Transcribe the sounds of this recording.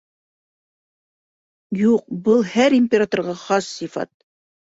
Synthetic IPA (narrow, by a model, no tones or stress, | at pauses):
juq̚bɤlˠhæɾimʲpʲɪɾat̪orʁɑχɑsːifɑ̰t̪̚